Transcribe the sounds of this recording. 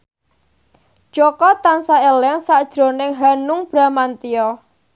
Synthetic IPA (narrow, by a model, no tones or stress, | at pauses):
ʒ̥ɔkɔt̪ansaelɛŋsad̥ʒ̥ɾo̤nɪŋɦanʊŋb̥ɾamant̪iɔ